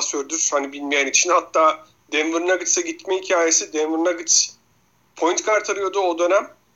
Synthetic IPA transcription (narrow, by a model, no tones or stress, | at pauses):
søɾd̪yɾ̥hanibilʲmejænit͡ʃʰinhat̪ːaː | d̪ɛnvɯɾɯnaɡɯt͡ʃsɛɟit̪mɛhicʰaːje̞sid̪ɛnvɯɾnaɡɯt͡ʃ | pʰo̞jynt̪kʰaɾt̪ʰaɾɯjo̞d̪ʊod̪ø̞næm